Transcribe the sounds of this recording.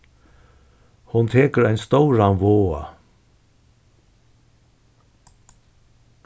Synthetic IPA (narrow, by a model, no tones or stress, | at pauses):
hʊnt̪ʰeːkəɾajnst̪ɔwɹanʋoːa̰